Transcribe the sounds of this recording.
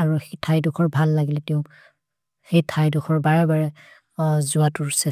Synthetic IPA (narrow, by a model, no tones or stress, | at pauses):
aɹuxetʰajdʊkʰɔɹbʱalːaɡilɛtɛʊ̃ | xejtʰajdukʰɔɹbaɹɛbaɹɛ | zʊatʊɹsɛ